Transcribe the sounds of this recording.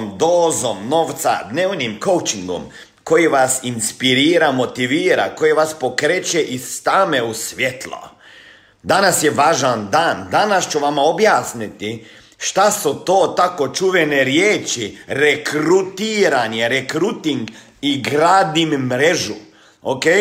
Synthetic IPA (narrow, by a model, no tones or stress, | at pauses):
md̪oːzomno̞ʋt̪sa̰d̪neːʋnimko̞wt͡ʃiŋɡo̰m | ko̞jiʋasinspiɾiːɾamo̞t̪iʋiːɾa̰kojiʋaspo̞kɾeːt͡ʃeʔist̪aːmeusʋjet̪lˠo̰ | d̪anasjeʋaːʒand̪aːnd̪anast͡ʃuʋamao̞bjaːsnit̪i | ʃt̪asut̪o̞ːt̪ako̞t͡ʃuʋeneɾjeːt͡ʃiɾekɾut̪iːɾanieɾekɾut̪iŋɡ | iɡɾaːd̪immɾeʒu | okeːj